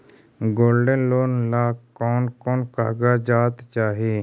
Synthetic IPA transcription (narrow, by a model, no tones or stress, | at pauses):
ɡoːlɖənloːnlaːkɔːnkɔːnka̰ːɡaːd͡ʒaːt̪t͡ʃaːɦeː